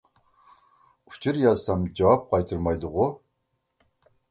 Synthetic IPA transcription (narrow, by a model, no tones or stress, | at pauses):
uft͡ʃʰɪrjasamd͡ʒawap̚qɑjt̪ʰɨɾmajd̪ɨʁʷʊ